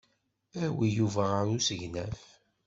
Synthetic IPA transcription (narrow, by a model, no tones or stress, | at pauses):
æwijuvæʁaɾusəʝnæf